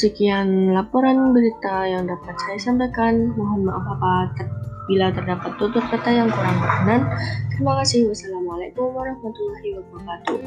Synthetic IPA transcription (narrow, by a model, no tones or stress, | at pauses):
səkianlapoɾanbəɾit̪ajaŋdapat̪̚sajasampakanmɔɦamaʔɦapat̪bilat̪ərdapat̪ːut̪ʊr̚kat̪ajaŋkuɾaŋbəɾanankəɾimakasɪhbasalamalakʊmwaɾahmat̪ulaɦiwabulat̪u